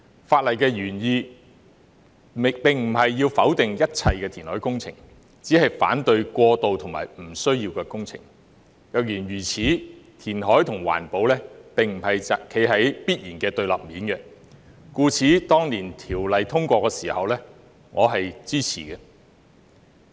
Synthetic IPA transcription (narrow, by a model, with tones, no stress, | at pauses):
faː˧t̚lɐ˨jkɛː˧jyː˨˩njiː˧ | pɪ˨ŋm̩˨˩hɐ˨jːiː˧wfɐ˨˥wt̪ɪ˨ŋjɐ˥t̚t͡sʰɐ˧jkɛː˧t̪ʰiː˨˩nhɔː˨˥jkʊ˥ŋt͡sʰɪ̰˨˩ŋ | t͡siː˨˥hɐ˨jfa̰ː˨˥nt̪ɵ˧ɥkʷɔː˧t̪o˨wt̪ʰʊ˨˩ŋma̰ː˨˩jm̩˨˩sɵ˥ɥjiː˧wkɛː˧kʊ˥ŋt͡sʰɪ̰˨˩ŋ | jɐ˨k̚jyː˨˩nɥyː˨˩t͡sʰiː˨˥t̪ʰiː˨˩nɦɔː˨˥jt̪ʰʊ˨˩ŋwa̰ː˨˩npo˨˧wlɛː˥pɪ˨ŋm̩˨˩hɐ˨jɐ˨kʰe˨˥jɦɐ˨˥jpiː˥t̚jiː˨˩nkɛː˧t̪ɵ˧ɥlɐ̰˨p̚miː˨˥nkɛ˨ | kuː˧t͡sʰiː˨˥t̪ɔː˥ŋniː˨˩nt̪ʰiː˨˩wlɐ˨jt̪ʰʊ˥ŋkʷɔː˧kːɛː˧siː˨˩hɐ˨wlɛː˥ | ŋɔː˨˧ɦɐ˨jt͡siː˥t͡sʰḭː˨˩kɛ˧